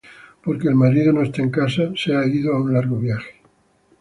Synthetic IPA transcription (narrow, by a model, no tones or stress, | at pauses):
po̞ɾke̞ːlmaɾiðo̞no̞est̪eeŋkasaseaeɣiðoaunlaɾɣo̞βjaxe̥